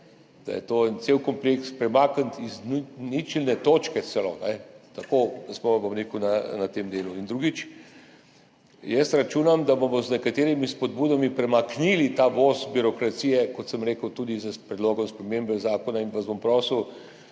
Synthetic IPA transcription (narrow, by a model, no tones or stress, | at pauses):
d̪̥a̰jɛ̰t̪oɛnt̪sewkɔmplekspɾɛmakənt̪iznnit͡ʃilnɛt̪oːt͡ʃkɛt̪sɛloːnɛt̪akod̪ɐsmɔabomɾeːkwnanat̪emd̪eːluind̪ɾuɡit͡ʃ | jɛst̪ɾɐt͡ʃuːnamd̪abomɔznɛkat̪eːɾimispɔd̪̚buːd̪amipɾɛmaknilit̪aʋoːzbiɾɔkɾat̪siːjɛkɔt̪səmɾeːkəwt̪uːd̪izəpɾɛd̪loːɡɔmspɾɛmembɛzaːkɔnainʋazbompɾɔːsəw